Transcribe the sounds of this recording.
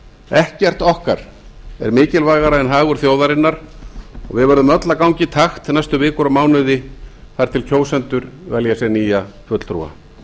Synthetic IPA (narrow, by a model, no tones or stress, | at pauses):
ɛhcɛr̥t̪ɔhkaɾ̥ | ɛ̰ɾmɪːcɪlvaːɣaɾaɛnɦaːɣʏɾ̥θjoːwðaɾɪnːaɾ̥ɔ̰ɣvɪðvɛɾðʏmœt̪lakawɲcɪt̪ʰaxt̪najst̪ʏvɪːkʏɾamaːwnʏðɪ | θaɾ̥t̪ʰɪlcʰoːwsɛnt̪ʏɾvɛljasɛniːjafœt̪l̥t̪ʰɾṵːa̰